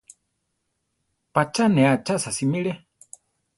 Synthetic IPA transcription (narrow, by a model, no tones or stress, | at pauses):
pat͡ʃʰanɛat͡ʃasasimiɺɛ